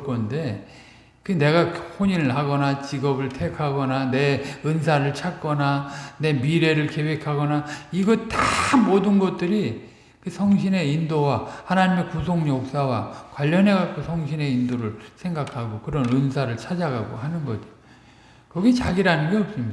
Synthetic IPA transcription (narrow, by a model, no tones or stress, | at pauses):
kʌnde̞ | kɯne̞ɡahoɲiɾɯɭɦaɡʌnat͡ɕiɡʌbɯɭtʰe̞kʰaɡʌnane̞ɯnsʰaɾɯɭt͡ɕʰak͈ʌnane̞miɾe̞ɾɯɭke̞we̞kʰaɡʌnaiɡʌtamodɯnɡʌt̚t͈ɯɾi | kɯsʰʌŋɕʰine̞indowahanaɲimekusʰoŋjok̚s͈awakwaʎːʌnɦe̞ɡak͈̚ʰosʰʌŋɕʰine̞indoɾɯɭsʰe̞ŋɡakʰaɡokɯɾʌnɯnsʰaɾɯɭt͡ɕʰad͡ʑaɡaɡo̰ɦanɯnɡʌtɯ | kʌɡit͡ɕa̰ɡiɾanɯnɡe̞ʌp̚s͈ɯmɲida